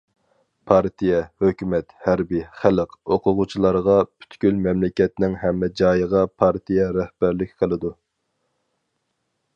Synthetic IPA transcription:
pʰɑɾt̪ʰijɛhøkʲymɛt̪hæɾbiχæləqoqʰʊʁʊt͡ʃʰilˠɑɾʁɑpʰy̥t̪kʲylmɛmlɪkʲɛt̪nɪŋɦɛmːɛd͡ʒɑːjəʁɑpʰɑɾt̪ʰijɛɾɛhb̥æɾlɪkʲqʰəlˠɨd̪u

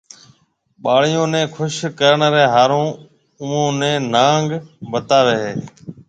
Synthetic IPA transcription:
ɓaːɭ̤ɪjõːnẽːkʰʊʃkəɾəɳɾeːɦaːɾõː | ʊːõːnẽːnãːŋɡbət̪aːʋeːɦeː

